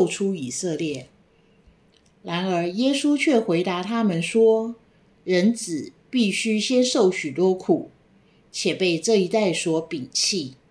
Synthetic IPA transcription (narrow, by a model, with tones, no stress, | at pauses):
ʊʈ͡ʂʰu˥i˨˩sɤ˥˧ljɛ˥˩ | ɻa˧˥nə˞˧˥jɛ˥su˥t͡ɕʰɥɛ˥˩xwe˧˥ɪt̪a˧˥t̪ʰa˥mə˧˦nʂwɔ˥ | ɻə˧˥nt͡sɹ̩˨˩pi˥˩ɕy˥ɕjɛ˥nʂo˥˩ʊɕy˨˩t̪wɔ˥kʰu˨˩˦ | t͡ɕʰjɛ˨˩pe˥˧ɪʈ͡ʂɤ˥˩i˧˥t̪a˥˩ɪʂwɔ˥pi˨˩ŋt͡ɕʰi˥˩